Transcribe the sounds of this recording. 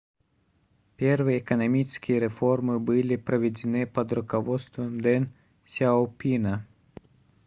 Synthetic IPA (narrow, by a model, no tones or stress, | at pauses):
pʲɛrvɨjːkɐnɐmʲit͡ʃskʲijɛɾɛfɔrmɨbɨlʲipɾɐʋʲɛd͡zʲɪnɨpɐd̪ɾʊkɐʋɔt̪st̪vɐmd̪ɛn | sʲaowpʲinɐ